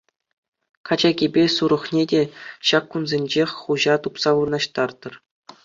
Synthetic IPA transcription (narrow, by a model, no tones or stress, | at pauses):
kɑd͡ʑɑɡʲibʲesuɾɤ̆χnʲedʲeɕɑkːunzʲenʲd͡ʑexʲχuʑɑt̪upsɑʋurɤ̆nɑɕt̪ɑrd̪ɤ̆r